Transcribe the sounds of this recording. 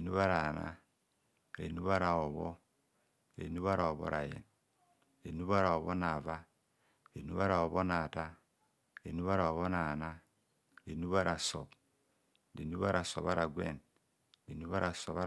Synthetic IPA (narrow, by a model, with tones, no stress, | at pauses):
e˨nu˦βa˦ɾa˨na̰˦˨ | ɾe˨nu˦βa˦ɾa˨ɔ˨βɔ˦ | ɾḛ˨nu˦βa˦ɾa˨ɔ˨βɔ̰˦ɾa˨jɛ̰˨n | ɾe˨nu˦βa˦ɾa˨ɔ˨βɔ˦na˨va˦ | ɾe˨nu˦βa˦ɾa˨ɔ˨βɔ˦na˨ta˦ | ɾe˨nu˦βa˦ɾa˨ɔ˨βɔ˦na˨na˦ | ɾe˨nu˦βa˦ɾa˨sɔ̰˨b | ɾe˨nu˦βa˦ɾa˨sɔ˨βa˦ɾa˨ɡwɛ̰˦˨n | ɾe˨nu˦βa˦ɾa˨sɔ˨βa˦